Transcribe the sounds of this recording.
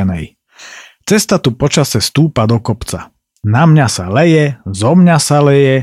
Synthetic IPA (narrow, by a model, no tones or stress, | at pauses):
nɛ̰j | t͡sɛst̪at̪upɔt͡ʃasɛst̪uːpad̪ɔkɔpt͡sa̰ | namɲasalɛjɛzɔmɲasalɛjɛ